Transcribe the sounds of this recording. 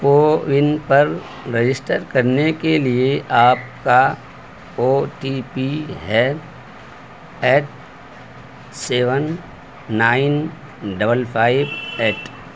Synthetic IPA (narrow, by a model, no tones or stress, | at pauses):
poːʋɪnpɐɾ | ɾed͡ʒɪsʈəɾkɐɾnekelieʔaːp̚ka | oːʈipiɦɛː | ɛːʈ̚ | seːʋənː | aːɪn | ɖɐbəlpʰaːɪbɛːʈ